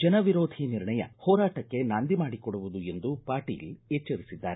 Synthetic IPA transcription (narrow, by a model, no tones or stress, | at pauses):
d͡ʒɐnɐʋiɾoːd̪ʱiniɾɳɐjɐ̰hɔːɾaːʈɐkːe̞naːnd̪imaːɽikɔɽuʋud̪ue̞nd̪upaːɾʈḭːlet͡ʃːɐɾisid̪ːaːɾe